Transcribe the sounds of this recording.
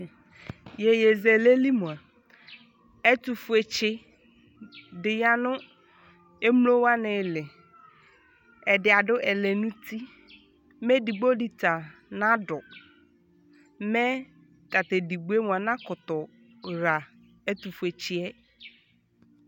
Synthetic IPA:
jɛ˨je˨zɛ˨le˦li˦mũ˨a˨ | ɛ˦t̪u˨fu˨ɛ˨t͡ʃɪ˦ | dɪ˨ja˦nʊ̃˦ | e˦m˦lo˦wa˦nɪ̃˨lɪ˨ | ɛ˨dɪ˨a˨dʊ˦ʔɛ˨lɛ˨nũ˦tʰi˦ | mɛ˦di˨ɡ͡bo˦di˨t̪a˨nã˦dɔ˨ | mɛ˦ | ka˨t̪e˨di˨ɡ͡bu˦e˦m˨a˨nã˦kʊ˨t̪ɔ˨ | ɾa˨ | ɛ˦t̪u˨fu˨e˨t͡ɕɪ˦ɛ˦

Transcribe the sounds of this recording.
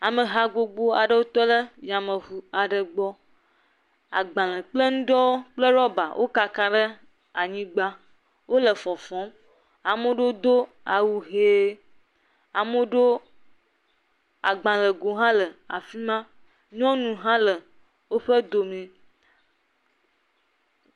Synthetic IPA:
a˨mə̃˨ɦa˨ɡo˨ɡ͡bo˦a˨ɖə˦wo˦t̪ɔ˦lə˦ja˨mə̃˨vu˨a˨ɖə˨ɡ͡bɔ˦ | a̰˨ɡ͡bã˨lə̃˨k͡plə˦ŋũ˦ɖɔ˦wo˦k͡plə˦ɾɔ˦ba˨wʔo̰˦ka˨ka˦ɖə˦ | a˨ɲĩ˦ɡ͡ba˦ | wo˦lə˨fɔ˨fɔ̃˨˦m | a˨mõ˦ɖo˦d̪o˦ | a˨wu˨ɦeː˦ | a˨mo˦ɖo˦ | a̰˨ɡ͡bã˨lə˨ɡo˨ɦã˦lə˨a̰˨fi˦mã˦ | ɲɔ̃˦nũ˨ɦã˦lə˨ | wo˦ɸə˦d̪o˨mẽ˨

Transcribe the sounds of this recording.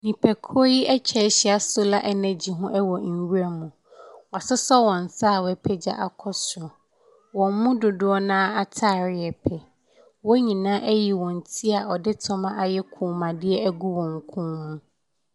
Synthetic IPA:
nĩ˨pʰɛ˨kʰo˦ji˦ɛ˦t͡ɕʰᶣɛ˨˦ɕɪ˦a˨sʊ˦la˦ʔɛ˦nɛ̃˨d͡ʑi˨ɦʊ̃˦ʔɛ˦wɔ˨n̩˨ɥu˦ɾa˦mũ˨ | wɔ˨a˨sɪ˦sɔ˦wɔ̃˨n̩˨saː˦˨wɛ˨pʰɛ˦d͡ʑa̰˨ʔa˨kʰɔ˦sɔ˨ | wɔ̃˨m˦mʊ̃˦dʊ˨dʊ˦ɔ˦nãː˦a˨tʰaː˦˨ɾɪ˦˨ɛ˨pʰɛ˨ | wɔ˦ɲĩ˨nãː˦ʔɛ˦ji˨wɔ̃˨n̩˨tʰi˦a˨ɔ˨dɪ˦tʰɔ˦mã˦ʔa˨jɛ˦kʰũː˨mã˨dɪ˦ɛ˦æ˦ɡu˦wɔ̃˨ŋ̩˨kʰũ˦nːʊ̃˦

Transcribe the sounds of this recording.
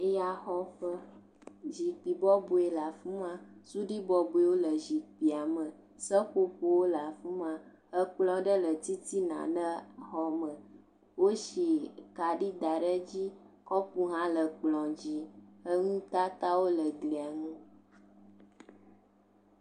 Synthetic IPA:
e˦ja˨xɔ˨fə˦ | ʒi˨k͡pi˨bɔ˦bo˨e˨la˨fu˦mã˦su˦ɖi˦bɔ˦bu˨e˨wo˦lə˨ʒi˨k͡pi˨a˨mə̃˨ | sə˦ɸo˦ɸo˦wo˦la˨fu˦mã˨ | hə˦k͡plɔ̃˨ɖə˦lə˨t̪i˦t̪i˦nã̰˨nə˦xɔ˦mə̃˨ | wo˦ʃi˨ka˨ɖi˦d̪a˨ɖə˦d͡ʑi˦ | kɔ˦pu˦ɦã˦lə˨k͡plɔ̃˨d͡ʑi˦ə˦ŋũ˦t̪a˦t̪a˦wo˦lə˨ɡli˨a˨ŋũ˦

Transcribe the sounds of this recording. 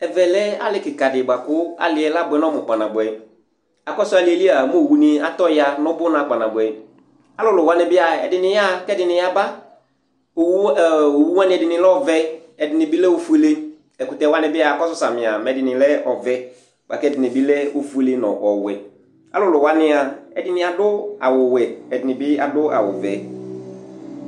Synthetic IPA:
ɛ˨vɛ˨lɛ˦a̰˦lɪ˦kɪ˨ka˨dɪ˨ba˨kʊ˦a̰˨lɪ˨ɛ˨la˦bʊ˨ɛ˨nɔ̃˦mʊ˨k͡pa˨nã˨bʊ˨ɛ˨ | a˨kɔ˦sʊ˦a˨lɪ˨ɛ˨li˦a˨m˦o˦˨wu˦nɪ˦a˦tɔ˦ja˦nɔ̃˦bʊ˦nã˨k͡pa˨nã˨bʊ˨ɛ˨ | a˦lʊ˦lʊ˨wa˦nɪ˦bɪ˦a˨ɛ̰˨dɪ˨nɪ̃˨ja˦kɛ˦dɪ˨nɪ˨ja˨ba˦ | o˨wo˨wu˦wa˦nɪ̃˦ɛ˨dɪ˨nɪ̃˨lɛ˦ɔ˦vɛ˦ɛ˨dɪ˨nɪ̃˨bɪ˦lɛ˦o˦fu˦e˦le˦ | ɛ˨ku˨tɛ˨wa˦nɪ̃˦bɪ˦a˨kɔ˦sʊ˦sa˨mɪ̃˨a˨mɛ˨dɪ˨nɪ̃˨lɛ˦ɔ˨vɛ˦ | ba̰˨kɛ˦˨dɪ˨nɪ̃˨bɪ˦lɛ˦o˨fu˦e˦le˦nɔ̰̃˨ʔɔ˨wɛ˨ | a̰˦lʊ˦˨lʊ˨wa˦nɪ̃˦a˨ɛ̰˨dɪ˦nɪ̃˨a˨dʊ˦a̰˨wʊ˨wɛ˨ɛ˨dɪ˨nɪ̃˨bɪ˦a˨dʊ˦ʔa̰˨wʊ̰˨vɛ˨

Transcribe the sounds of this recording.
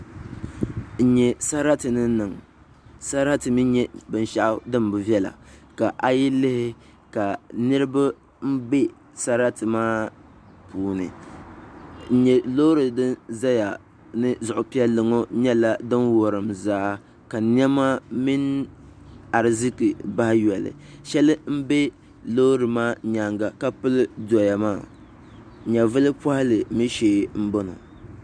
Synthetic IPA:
n̩˨ɲɛ˨sa˦ɾa˦tɨ˨nɨ˦nɨ˨ŋ | sa˦ɾa˦tɨ˨mi˦ɲɛ˦bɨ˨n˨ʃa˦˨ʔʊ˦dɨ˦mbɨ˨vjɛ˦la̰˨ka˨ʔa˨ji˦lɪ˦hɪ˦ | ka˨nɨ˦ɾɨ˦ba˦ | m̩˦bɛ˦ | sa˦ɾa˦tɨ˨maː˦ | puː˨˦nɨ̰˨ | n̩˨ɲɛ˨lo˦ɾɨ˨dɨ˦nza˦ja˨ | nɨ˦zʊ˨ʔʊ˨pi˦ɛ˦lɨ˨ŋo˦ɲɛ˦la˦dɨ˦nwo˨ɾɨ˨mzaː˦ | ka˨n˦ɛ˦ma˦mi˦n | a˨ɾɨ˨zi˦kɨ˨ba˦hɪ˦jɛ˨lɨ̰˨ʃɛ˦lɨ˦m̩˦be˦ | lo˦ɾɨ˨maː˦ɲa˨ŋɡa˨ka˦pɨ˦lɨ˦dɔ˨ja˨maː˦˨ | ɲa˨vɨ˦lɨ˦pa˦hɪ˦lɨ˨mi˦ʃeː˦˨m̩˦bo˦no̰˨

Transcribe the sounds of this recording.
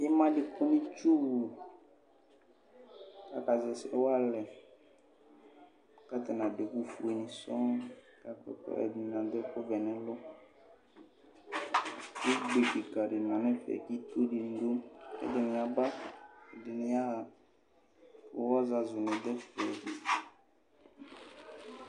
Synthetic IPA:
ɪ˦mã˦lɪ˨kʊ˦nĩ˦t͡ʃu˦˨ | ka˨ka˨zɛ˨sɛ̰˨wa˦lɛ˨ | ka˦t̪ɛ˨nã˨de˨ku˦fu˨e˨nĩ˨sɔ˦ | ka˨kɛ̰˦ɛ̰˨dnã˨d̪ɛ˦kʊ˦vɛ˨nɛ̃˦lʊ˦ | i˦ɡ͡be˨ki˨ka˨ɾi˨mã˨nɛ̃˦fɛ̰˨ki˦t̪o˦di˨n̩˦d̪o˦ɛ̰˨dɪ˨nɪ̃˨a˨ba˦ɛ˨dɪ˨nɪ˨ja˦˨ | ɔ˨˦wa˦za˨zʊ˨nɪ̃˨d̪ɛ˦fɛ˨di˨

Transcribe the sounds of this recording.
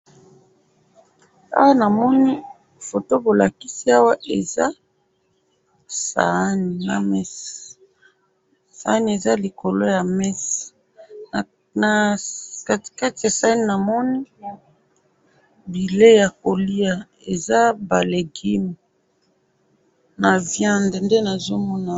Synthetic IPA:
a̰˦wa˦na˨mɔ˦ni˦ | fo˨to˦bo˨la˨ki˦si˦a˦wa˦ʔe˨a˦ | sa̰˨˦ni˨na̰˨mɛ˦s | sa˨˦ni˨˦e˨za˦li˨ko˨lo˦ja˨mɛ˦s | na˨ka˦tka˦ti˨ja˨sa˨˦ni˦na˨mɔ˦ni˦ | bi˨le˦ja˨ko˨li˦a˨ | e˨za˦ba˨le˨ɡi˦mi˨ | na˨vjã˦ndnde˦na˨zo˦mɔ˦na˨

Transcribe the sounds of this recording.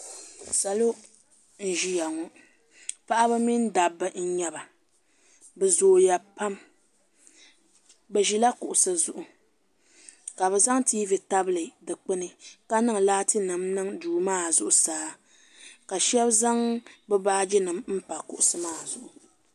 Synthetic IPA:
sa˨lo˦ | n̩˨ʒi˦ja˨ŋɔ˨ | pa˦ʔa˦bɨ˦mi˦n˦da˨bːɨ˦n̩˦ɲɛ˦ba˨ | bɨ˨zoː˨ja˨pa˦m | bɛ˨ʒi˦la˦kʊ˨ʔʊ˨sɨ˨zʊ˦ʔʊ˨ | ka˨βɛ˨za˦ŋtiː˦vi˨ta˦blɨ˨dɨ˨k͡pɨ˦nɨ˨ka˦nɨ˦ŋ˨laː˦tɨ˦nɨ˨mnɨ˦ŋduː˨maː˦zʊ˦ʔʊ˨saː˨˦ | ka˨ʃɛ˦bza˦ŋbɛ˦baː˦d͡ʒi˦nɨ˨mm̩˦pa˨kʊ̰˨ʔʊ˨sɨ˦maː˦˨zʊ˨ʔʊ˨

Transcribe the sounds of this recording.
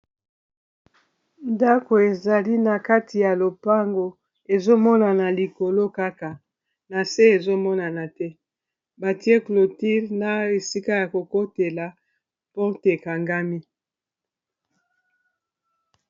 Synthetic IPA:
nda˦ko˨e˨za˨li˦na˨ka˦ti˨ja˨lo˨pa˦ŋɡo˨ | e˨zo˦mɔ˦na˨na˨li˨ko˨lo˦ka˦ka˨ | na˨se˦e˨zo˦mɔ˦na˨na˨tɛ˦ | ba˨ti˦e˦klo˨ti˦ʁna˦e˨si˦ka˦ja˨ko˨ko˦te˨la˨ | po˦te˨ka˨ŋɡa˦mi˦

